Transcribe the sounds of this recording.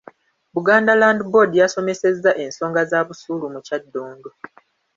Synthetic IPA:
βuɡaːndalaːndibo̞dijaso̞me̞se̞zːaʔe̞nso̞ːŋɡazaːβusuːlumucadːoːŋɡo

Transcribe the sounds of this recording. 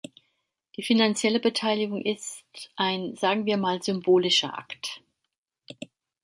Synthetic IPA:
d̥iːfinant͡sjɛləbətʰaɪlɪɡʊŋʔɪstʔaɪnzaːɡŋ̩viːɐmaːlzʏmboːlɪʃɐʔa̰kt

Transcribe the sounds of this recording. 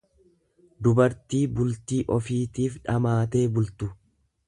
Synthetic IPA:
d̪ʊbɐɾt̪iːbʊlt̪iːʔɔfiːt̪iːfᶑɐmaːt̪e̞ːbʊlt̪ʊ

